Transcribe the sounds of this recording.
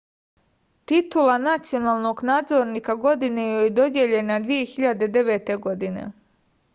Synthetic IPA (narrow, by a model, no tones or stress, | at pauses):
t̪it̪ulanat̪sijo̞naːlˠno̞ɡnaːd̪zoɾnikaɡo̞d̪inejojed̪o̞d̪je̞ʎe̞nad̪ʋije̞xiʎad̪e̞d̪e̞ʋeːt̪e̞ɡo̞d̪inḛ